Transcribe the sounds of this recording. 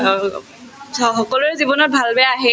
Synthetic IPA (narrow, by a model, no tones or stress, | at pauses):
ɔxɔkɔluɹɛzibɔnɔt̚bʱalbɛaɦɛ